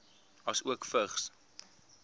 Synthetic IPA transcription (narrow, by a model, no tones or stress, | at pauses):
ɐsuəkfəχs